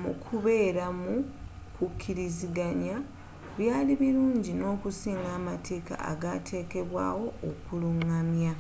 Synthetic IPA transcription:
mṵkʰuβe̞ːɾamu | kukʰːiɾiziɡaɲa | βjaːliβiɾuːɲɟino̞ːkusiːŋɡaːmatʰe̞ːka̰ʔa̰ɡatʰe̞ːke̞βwa̰ːwo̞okuluŋːamja

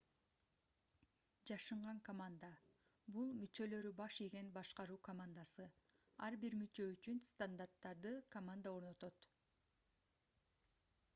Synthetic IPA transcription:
d͡ʒɑʃɯɴʁɑŋkɐmand̪ə | bulˠmyt͡ʃø̞lø̞ɾybɑʃiɡenbɑʃqɑɾuːkɐmand̪asɯ | ɑɾbiɾmyt͡ʃø̞yt͡ʃynst̪and̪art̪ːɑɾd̪ɯkɐmand̪ao̞ɾno̞t̪o̞t̪

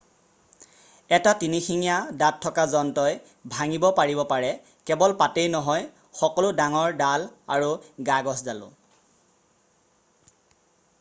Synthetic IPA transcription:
ɛtatinixiŋijadatʰːɔkazɔntɔj | bʱaŋibɔpaɹibɔpaɹɛ | kɛbɔlpatejnɔɦɔj | xɔkɔlʊdaŋɔɹdalaɹuɡaɡɔszalʊ̰̃

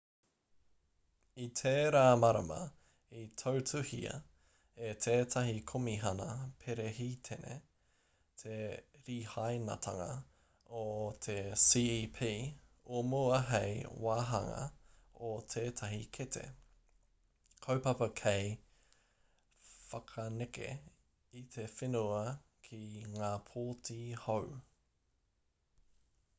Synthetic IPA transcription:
it̪ʰeːɾaːmɐɾɐ̰mɐ̰ | itʰowtʰʉhiɐ̰ | etʰeːtʰɐɦikʰomiɦɐnɐpʰeɾeɦitʰenḛ | t̪ʰeɾiːhajnɐ̰t̪ʰɐŋɐ | ot̪ʰesiːipʰiː | omoɐɦejwaːɦɐŋɐ̰ | ot̪ʰeːtʰɐɦikʰet̪ʰḛ | kʰowpɐpɐkʰej | fɐkʰɐnekḛ | it̪ʰe̞fenuɐ | kʰiŋaːpʰoːtʰiːhow

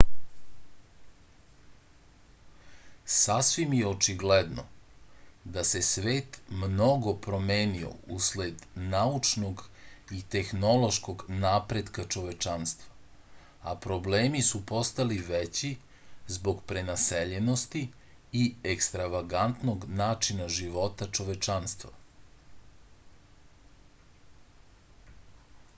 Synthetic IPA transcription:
sasʋimjeot͡ʃiɡled̪no̰ | d̪ase̞sʋe̞ːt̪mno̞ɡo̞pɾo̞meːnio̰usled̪naut͡ʃnoɡit̪e̞xno̞lˠo̞ʃkoɡnaːpɾed̪kat͡ʃo̞ʋet͡ʃanst̪ʋa | apɾo̞bleːmisupo̞st̪aliʋet͡ɕi | zbo̞ɡpɾenaseʎeno̞st̪iː | ekst̪ɾaʋaɡant̪no̞ɡnaːt͡ʃinaʒiʋo̞t̪at͡ʃo̞ʋet͡ʃanst̪ʋa̰

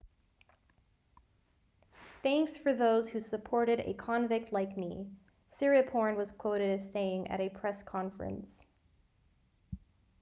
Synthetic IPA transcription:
θæ̃ŋksfə˞ðoʊz̥hʉsɨpʰɔɹɾɨɾɨ̰kʰɑ̃nvɪk̚tʰˡlaɪkmi | sɪɹɨpʰɔɹnwʌz̥kʰw̥oʊɾɨɾɨz̥seɪɪ̃ŋʔɨ̰ɾɨpʰɹ̥ɛskʰɑ̃ɱfɹɨ̰̃ns

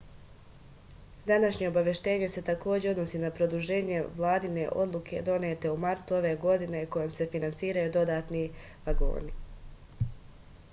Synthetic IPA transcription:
d̪anaʃɲe̞o̞baʋjeʃt̪e̞ːɲe̞se̞t̪ako̞ːd͡ʑe̞o̞d̪nosiːnapɾo̞d̪uʒe̞ːɲe̞ʋlˠaːd̪ine̞ʔo̞̰d̪lˠukʰe̞d̪o̞neːt̪e̞umaɾt̪uo̞ʋe̞ːɡo̞d̪ine̞ko̞jemse̞finant̪siːɾajud̪o̞d̪aːt̪ni | ʋaɡo̞̰ːni

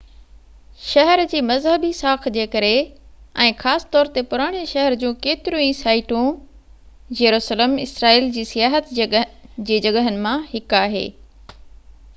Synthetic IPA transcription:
ʃɐɦəɾd͡ʑiːmɐzɦəbisaːkʰd͡ʑeːkɐɾeɛ̃ːxaːsɪ̥t̪ɔːɾt̪epʊɾaːɽ̃eʃɐɦəɾd͡ʑũːkeːt̪ɪɾũĩsaːɪʈũ | jɐɾuːsələmɪsɾaːiːld͡ʑiːsɪjaːɦət̪ | d͡ʑiːd͡ʑɐɡəɦənɪ̆mãhɪkaːɦḛː

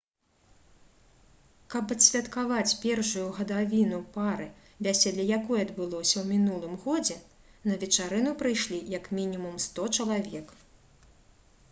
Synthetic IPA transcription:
kɐpɐt̪sʲvʲɐt̪kavat͡sʲpʲɛrʂujuɣɐd̪avʲinupaɾɨ | vʲasʲɛlʲɐjakɔjɛɐd̪bɨlˠɔsʲɐwmʲinulˠɨmɣɔd͡zʲɛ | nɐvʲɛt͡ʂaɾɨnupɾɨjʂlʲijɐkmʲinʲimumst̪ɔt͡ʃɐlˠavʲɛk

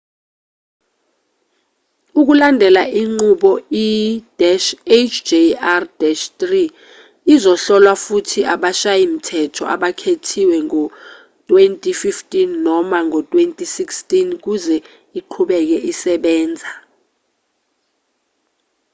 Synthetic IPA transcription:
uk̬ulandʱɛlaiŋ͡ǃuɓɔidɛʃet͡ʃʰd͡ʒeardɛʃtriː | zɔɬɔlwafutʰiʔaɓaʃajim̩tʰɛtʰɔ̰ʔa̰ɓakʰetʰiwɛŋɔ | tʼwentʼififtʼinːɔmaŋʱɔtʼwentʼisikstʼink̬uzɛ | iǃʰuɓɛk̬ɛʔisɛɓɛːnd͡zʱa

